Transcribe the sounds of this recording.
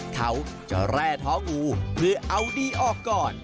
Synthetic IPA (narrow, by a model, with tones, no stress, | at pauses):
k̪ʰa˦˥wt͡ɕa̰˨˧˩ɾɛː˥˩t̪ʰɔː˦˥ŋuː˧pʰɯ˧˩ʔa˧wdiː˧ʔɔː˨˩kːɔː˨˩n